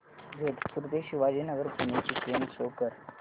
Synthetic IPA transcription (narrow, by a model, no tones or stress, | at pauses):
d͡zʱeʈʰpuɾt̪eɕuʋad͡ʑinəɡəɾpunet͡ɕiːkɾemɕokəɾ